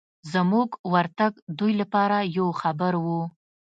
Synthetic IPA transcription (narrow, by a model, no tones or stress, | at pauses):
zəmuɡwaɾt̪aɡd̪ujlapɑɾajawxabəɾwu